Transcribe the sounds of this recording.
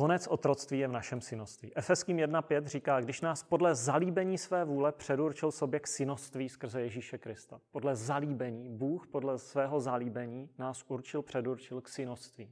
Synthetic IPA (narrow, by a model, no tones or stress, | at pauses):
o̞nɛt͡sʔo̞t̪ɾo̞t͡st̪viːjɛvnaʃɛmsɪnost̪vḭːʔɛfɛskiːmjɛdnapjɛt̪riːkaːɡdɪʃnaːspo̞dlɛzaliːbɛɲiːsvɛːvuːlɛpr̝̥ɛduɾt͡ʃɪlso̞bjɛksɪnost̪viːskr̩zɛjɛʒiːʃɛkɾɪst̪apo̞dlɛzaliːbɛɲiːbuːxpo̞dlɛsvɛːɦo̞zaliːbɛɲiːnaːsʔuɾt͡ʃɪlpr̝̥ɛduɾt͡ʃɪlksɪnost̪viː